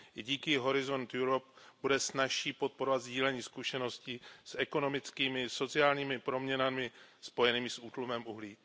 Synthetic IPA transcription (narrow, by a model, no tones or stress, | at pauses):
ɪɟiːkɪɦo̞ɾɪzo̞nt̪juɾop̚b̥udɛsnaʃiːpo̞t̪̚po̞ɾovat̪zɟiːlɛɲiːskuʃɛno̞scɪsʔɛko̞no̞mɪt͡skiːmɪso̞t͡sɪaːlɲiːmɪpɾo̞mɲɛnamɪspo̞jɛniːmɪsʔuːt̪lumɛmʔuɦliː